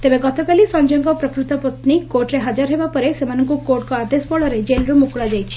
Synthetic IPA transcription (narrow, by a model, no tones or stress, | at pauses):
t̪ebeɡɔt̪ɔkalisɔnd͡ʒɔŋɡɔpɾɔkɾut̪ɔpɔt̪nikoʈɾeɦad͡ʒaɾɦebapɔɾesemanɔŋkukoʈkɔad̪esbɔɭɔɾed͡ʒelɾumukɭad͡ʒajt͡ʃʰi̥